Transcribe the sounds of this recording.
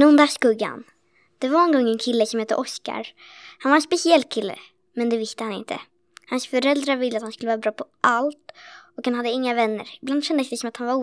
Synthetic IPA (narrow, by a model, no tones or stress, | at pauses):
nɵnd̪aʂkɵɡa̰n | d̪̥ɛvanɔnɡɔŋːɛnkʰɪlːəsɔmhɛːt̪ːəʔɔska̰ɾ | hanvaɾɛnspɛsɪɛlːkʰɪlːə̰ | mɛnd̪ɛvɪst̪əhanɪ̰nt̪ʰə̰ | hansfœɾɛld̪ɾavɪlːəat̪hanskɵləvɑːɾabɾɑːpʰɔʔalt̪ɔkhanhad̪ːəɪŋːavɛnːə̰ɾɪbland̪ʃɛnd̪əsd̪ɛsɔmat̪hanvaɾuː